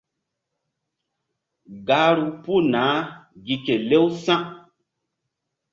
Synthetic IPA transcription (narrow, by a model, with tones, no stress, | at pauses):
ɡa˨˦ɾu˨pu˦naː˨˦ɡi˨ke˨le˦wsã˦ʔ